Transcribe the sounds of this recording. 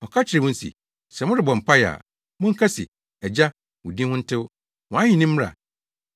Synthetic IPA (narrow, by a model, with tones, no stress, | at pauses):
ɔ˨kʰa˦t͡ɕʰɪ˨ɾɪ˨wʊ̃˦n̩˦sḭ˨ | sɛ˨mʊ̃˦ɾɪ˨bɔ̃˨m̩˨pʰa˦ja̰˨ | mʊ̃˦ŋ̩˦kʰa˦sɪ̰˨ | ɛ˨d͡ʑa˦ | wʊ̃˨dĩ˦hʊ̃˦n̩˦tʰɪ˦wʊ˦ | wɔ̃˨ã˦hɪ̃˦˨nĩ˦m̩̃ː˦a̰˨